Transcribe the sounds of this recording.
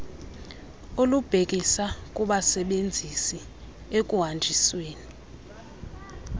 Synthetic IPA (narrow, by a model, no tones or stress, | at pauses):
olub̥ʱek̬ʼisakʼuɓasɛɓend͡zʱisi | ekʼuɦand͡ʒʱisweːni